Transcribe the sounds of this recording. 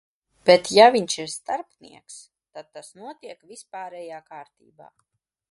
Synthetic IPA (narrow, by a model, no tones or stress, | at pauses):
b̥ɛt̪javiɲʃiɾst̪aɾpnḭɛks | t̪ad̪̚t̪ːasnuɔt̪iɛkvispaːɾɛjaːkaːɾt̪ḭːba̰ː